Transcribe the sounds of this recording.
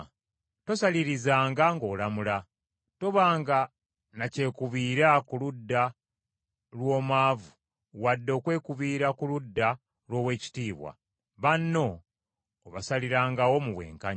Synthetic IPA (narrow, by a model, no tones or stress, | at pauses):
to̞saliɾizaːŋɡaŋɡo̞ːlamula | toβaːŋɡa | nace̞ːkuβiːɾakuludːa | lwo̞ːmaːvu | wadːo̞ːkwe̞ːkuβiːɾakuludːa | lwo̞ːwe̞ːci̥tiːβwa̰ | βanːo̞ː | βasaliɾaːŋɡawo̞muβwe̞̰ːŋkaɲ